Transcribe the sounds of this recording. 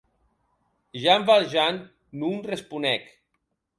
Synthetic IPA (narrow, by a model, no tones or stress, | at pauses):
ʒamvalʒanː | unrespunɛk